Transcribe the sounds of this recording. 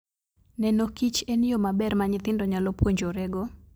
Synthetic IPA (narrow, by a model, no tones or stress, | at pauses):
nɛnokit͡ʃenijomabɛrmaɲɪt̪ɪndɔɲalopwoɲd͡ʒoɾɛɡɔ